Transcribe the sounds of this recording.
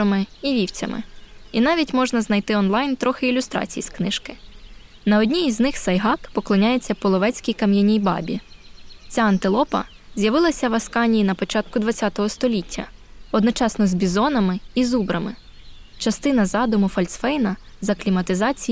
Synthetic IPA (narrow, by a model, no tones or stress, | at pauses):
ɐmɪiʋʲiwt͡sʲɐ̰mɪ̰in̪ɑʋʲitʲmɔʒnɐznɐjt̪ɪɔnlˠɑjnt̪ɾɔxɪilʲʊst̪ɾɑ̰t͡sʲijisknɪʃkɪ | nɐɔdʲnʲijiznɪxsɐjɦɑkpɔklˠɔnʲaje̞t͡sʲːɐpɔlˠɔʋɛt͡sʲkʲijkɐmjɐnʲijbɑ̰bʲi | t͡sʲaɐnt̪ɪlˠɔpɐ̰ | zʲjɐʋɪlˠɐsʲɐʋɐskɑnʲijinɐpɔt͡ʃɑt̪kʊd̪ʋɐt͡sʲat̪ɔɦɔst̪ɔlʲitʲʰːɐ̰ɔd̪nɔt͡ʃɑsnɔzbʲizɔnɐmɪizubɾɐmɪ | t͡ʃɐst̪ɪn̪ɐzɑd̪ʊmʊfɔlʲsfɛjnɐzɐklʲimɐt̪ɪzɑt͡sʲi